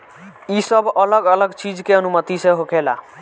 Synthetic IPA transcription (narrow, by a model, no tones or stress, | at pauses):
isəbʱələɡələɡt͡ʃid͡ʒkeənumət̪isẽɦokʰela̰